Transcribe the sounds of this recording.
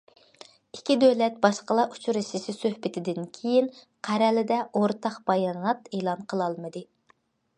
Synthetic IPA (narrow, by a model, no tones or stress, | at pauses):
ikʲʰid̪øwlɛt̪̚bɑʃqəlˠɑʔu̥t͡ʃʰuɾɨʃɪʃɪsøhbɪt̪ʰɪd̪ɪnkʲʰejin | qʰæɾɛlɪd̪ɛoɾt̪ʰɑqb̥ɑjɑnɑt̪eːlˠɑnqʰəlˠɑlˠmɨd̪ɨ